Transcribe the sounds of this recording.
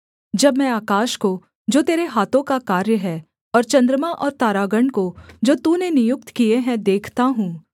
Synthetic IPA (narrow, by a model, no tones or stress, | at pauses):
d͡ʒɐbmɛ̃aːkaːʃko | d͡ʒoːt̪eːɾeɦaːt̪õkakaːɾjəɦɛː | ɔːɾt͡ʃɐ̃nd̪ɾəmaʔɔːɾt̪aːɾaːɡəɳɖkod͡ʒoːt̪unenɪjʊk̚t̪kieɦɛ̃d̪eːkʰt̪aɦũː